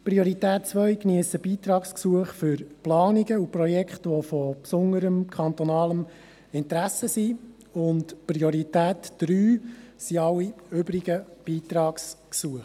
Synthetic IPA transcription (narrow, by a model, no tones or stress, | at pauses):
pɾiɔɾit̪ɛːt̚t͡sʋœjkniəsəb̥iːt̪ɾɑːksksuəχfʏɾplɑːniɡəuprɔjɛkχtʋɔfɔpsʊŋəɾəmkʰɑnt̪ɔnɑːləm | ɪnt̪ɾæsəsi | ʊntpɾiɔɾitæːtd̥ɾyːsiɑwːiøbɾiɡəb̥iːt̪ɾɑːksksuəχ